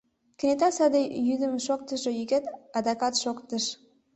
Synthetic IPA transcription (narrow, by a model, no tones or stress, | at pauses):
kʲənʲet̪ɑsɑd̪əjyd̪əmʃok̚t̪ə̆ʃɤ̆jyket̪ɑd̪ɑkɑt̪ʃokt̪əʃ